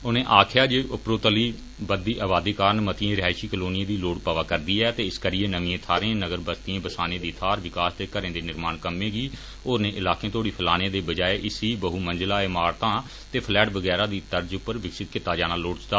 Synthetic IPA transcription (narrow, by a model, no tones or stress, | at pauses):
ʊnẽːʔaːkʰɪjaːd͡ʒeːʔʊpɾoːt̪əliː | bəd̪iːʔaːbaːd̪eːkaːɾənmət̪ɪiẽːɾɪɦaːiʃiːkəloːnɪjẽːd̪iːloːʈpaːʋaːkəɾd̪iːɛːt̪eːɪskəɾɪeːnəʋĩːẽːt̪ʰaːɾẽːnəɡəɾbəst̪iẽːbəsaːnẽːd̪iːt̪ʰaːɾʋɪkaːst̪eːkəɾẽːd̪eːnɪɾmaːnkəmːẽːɡiː | oːɾnẽːʔɪlaːkẽːt̪ʰoːɽiːpʰɪlaːnẽːd̪eːbəd͡ʒaːeʔɪsiːbəɦuːmənd͡ʒlaːɪmaːɾt̪ãː | t̪eːpʰlɛːʈʋəɡɛːɾaːd̪iːt̪əɾd͡ʒʊpːəɾʋɪksɪt̪kɪt̪aːd͡ʒaːnaːloːʈst̪aː